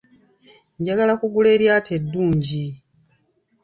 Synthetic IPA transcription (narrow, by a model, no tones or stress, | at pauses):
ɲɟaɡalakuɡule̞ːɾjaːte̞dːuːɲɟi